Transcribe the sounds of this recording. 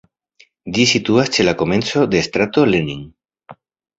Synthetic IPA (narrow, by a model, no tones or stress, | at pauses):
d͡ʒisit̪uast͡ʃe̞lako̞me̞nt͡so̞d̪e̞st̪ɾat̪o̞leniŋ